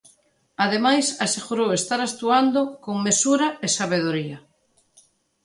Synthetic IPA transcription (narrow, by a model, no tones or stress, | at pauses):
aðemajsaseɣuɾowest̪aɾast̪uand̪okoŋmesuɾaesaβ̞eð̞oɾia